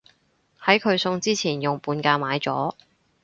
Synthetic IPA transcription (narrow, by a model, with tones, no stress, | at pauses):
hɐ˨˥jkʰɵ˨˧ɥsʊ˧ŋt͡siː˥t͡sʰiː˨˩njʊ˨ŋpuː˨˧nkaː˧maː˨˧˥jt͡sɔ̰ː˨˥